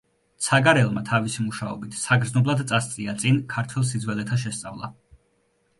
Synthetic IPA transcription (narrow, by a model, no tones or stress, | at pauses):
t̪sʰaɡaɾɛlˠmat̪ʰavisimuʃaɔ̰bit̪ʰsaɡɾd̪znɔblˠad̪t̪sʼast̪sʼiat̪sʼinkʰaɾt̪ʰwɛlˠsid̪zwɛlɛt̪ʰaʃ̬ɛst̪sʼavlˠa̰